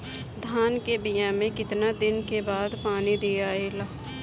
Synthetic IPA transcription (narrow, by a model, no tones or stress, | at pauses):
d̪ʱaːnkebɪjãmẽkɪt̪nad̪ɪnkebaːd̪paːnid̪ijaːeːlaː